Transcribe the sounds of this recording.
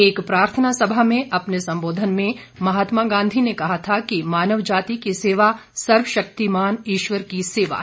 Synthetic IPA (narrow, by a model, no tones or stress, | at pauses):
eːkpɾaːɾt̪ʰənasɐbʱamẽʔɐpnesɐ̃mboːd̪ʱənmẽ | mɐɦaːt̪maɡãːnd̪ʱinekɐɦat̪ʰakimaːnəʋd͡ʒaːt̪ikiseːʋasɐɾʋəʃɐk̚t̪imaːniːʃʋəɾkiseːʋa̰